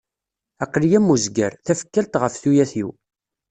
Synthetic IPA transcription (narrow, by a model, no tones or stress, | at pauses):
æqːlijæmːuzɡə̰ɾθæfə̥kːælt̪ʁəfθujæθiw